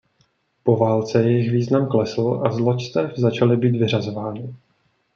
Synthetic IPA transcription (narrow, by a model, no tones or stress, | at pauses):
po̞vaːlt͡sɛjɛjɪxviːznamklɛsl̩ʔazlot͡ʃst̪ɛfzat͡ʃalɪbiːt̪vɪr̝azo̞vaːnɪ